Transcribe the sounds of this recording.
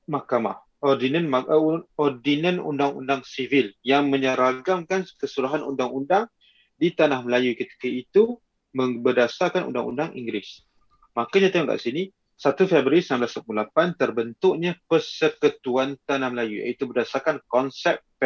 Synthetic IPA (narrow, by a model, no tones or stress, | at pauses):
mahkama̰h | ɔrdinanmaʔɔrdinə̃nṵndaŋṵndaŋsiviljaŋmə̃ɲəɾaɡaŋkankəsuɾaɦanundaŋundaŋ | dit̪anahməlajukət̪i̥kəit̪u | mə̃ŋbədasarkanṵnda̰ŋṵndaŋʔḭŋɡɾɪs | makaɲãt̪ajuŋka̰ʔsini | sat̪ufɛbɾiɾisənamblasapululapant̪ərbənt̪ʊʔɲapərsəkət̪uant̪anahməlajuja̰it̪ubədasarkankɔnsɛp̚p